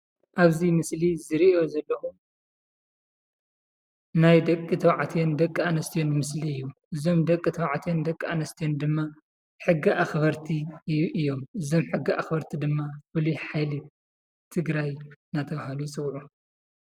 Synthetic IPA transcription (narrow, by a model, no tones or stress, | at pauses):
ʔaβzimɨslizɨɾiʔo̞zɐlːɐxu | najd̪ɐkʼːɨt̪ʰɐwʕat̪ʰijond̪ɐkʼːanɐst̪ʰijo̞nmɨsliɨjːuʔɨzo̞md̪ɐkʼːɨt̪ʰɐwʕt̪ʰijond̪ɐkʼːanɐst̪ʰijond̪ɨmːa | ħɨɡːiʔaxβɐɾt̪ʰiʔɨjːo̞mɨzo̞mħɨɡːiʔa̰xbɐɾt̪ʰid̪ɨmːabɨluħajli | t̪ʰɨɡɾajnat̪ʰɐβahalusʼɨwʕu